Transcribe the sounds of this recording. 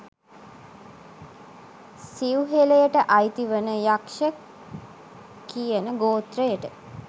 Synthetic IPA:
siuɦeləjəʈəʔajt̪iʋənəjakʃə | kːijənəɡoːt̪rəjəʈə

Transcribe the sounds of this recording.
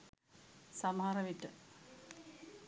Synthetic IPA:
sɐmaːrɐʋiʈːɨ

